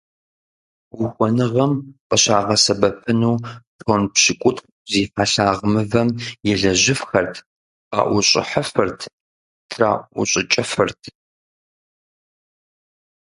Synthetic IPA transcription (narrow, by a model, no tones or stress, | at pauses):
wʊxʷɔnɨʁɐmqʼəɕaːʁɐsɐbɐpɨnuːtʰoːnpɕɪkʷʼʊtʰq | ziːfaɬaːʁəmɨvɐmjɛɮɐʑɪfxɐrtʰ | qa̰ːʔʷʊɕʼɪ̰ħɐfɨrtʰ | tʰra̰ːʔʷʊɕʼɪt͡ʃʼɐfɨrtʰ